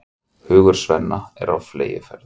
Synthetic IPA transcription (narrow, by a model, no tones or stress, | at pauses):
hʏːɣʏɾ̥svɛnːaɛɾawfleːjɪfɛɾð